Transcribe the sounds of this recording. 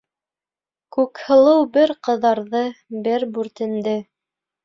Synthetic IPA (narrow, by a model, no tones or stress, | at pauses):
kʉkhɤ̆lˠɤwbɘɾqɤ̆ðɑɾðɤbɘɾbʉɾt̪ɘ̆nd̪ɘ